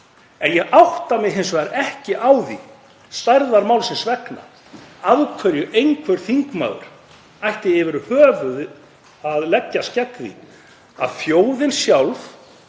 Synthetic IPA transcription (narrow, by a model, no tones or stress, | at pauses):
ɛnjɛɣʔawht̪amɪɦejnsvɛɣaɾʔɛhcɪʔawði | st̪ajɾðaɾmaːwlsɛnsvɛkna̰ | aðkʰvœɾjʏʔejnkʰvɛɾ̥θiŋkma̰ːwðʏ̰ɾ̥ | ajht̪ɪɪvɪɾhœːvʏð | aðlɛcːascɛt̪ðḭ | a̰ðfjoːwðɪnsjawlf